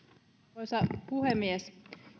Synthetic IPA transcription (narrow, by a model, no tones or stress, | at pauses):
ojsɑpuhemːies